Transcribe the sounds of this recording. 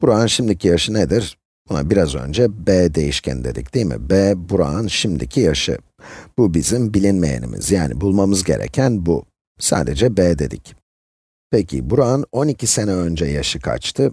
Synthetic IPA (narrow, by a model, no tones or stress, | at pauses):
b̥uɾaːnʃimd̪icʰijaʃɯned̪iɾ̥ | b̥una̰biɾazø̞̰nd͡ʒɛbɛːd̪e̞jiʃcʰæ̰nd̪e̞d̪ḭc̚d̪̥ijmḭbɛːbuɾanʃimd̪icʰijaʃɯ̰ | b̥ubizimbilʲinmḛjḛnḭmḭz̥jaːnḭbulˠmamɯzɟe̞ɾɛ̰cʰænbu | sa̰ːd̪e̞d͡ʒɛbɛːd̪e̞̰d̪ḭc | pecʰḭbuɾano̞nicʰise̞nɛø̞nd͡ʒɛjaʃɯkʰa̰t͡ʃt̪ʰɯ